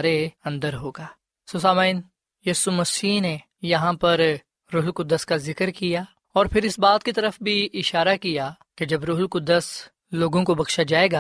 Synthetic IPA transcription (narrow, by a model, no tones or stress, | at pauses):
ɾeɐ̃nd̪əɾɦoːɡaː | soːsaːmaːɪn | jiːsumɐsiːɦne | jɐɦãpɐɾ | ɾoːɦlkʊd̪ːəskazɪkəɾkijaː | ɔːɾpʰɪɾɪsbaːt̪̚kit̪ɐɾəfbʱiʔɪʃaːɾakijaː | ked͡ʒɐbɾʊːɦlkʊd̪ːəs | loːɡõkobɐkʃad͡ʒaːeːɡaː